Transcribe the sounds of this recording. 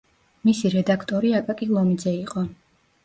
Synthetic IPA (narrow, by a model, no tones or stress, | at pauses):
misiɾɛd̪akʰt̪ʼɔɾiakʼakʼilˠɔmid̪zɛiqʼɔ